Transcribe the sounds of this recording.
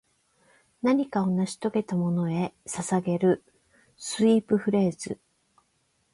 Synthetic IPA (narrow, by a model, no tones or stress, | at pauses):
naɲ̟ikao̞naɕi̥t̪o̞ɡe̞t̪amo̞no̞e̞sasaɡe̞ɾɯ̟ | sɨiːpɯ̟ɸɯ̟ɾe̞ːz̥ɨ